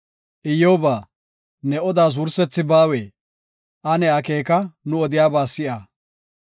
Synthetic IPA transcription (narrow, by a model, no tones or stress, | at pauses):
ʔɪjoːbaː | nɛɔd̪aːz̬ʊɾsɛt͡sːɪbaːweː | ʔɐnɛɐkeːkɐnʊɔd̪ɪjaːbaːsɪʔɐ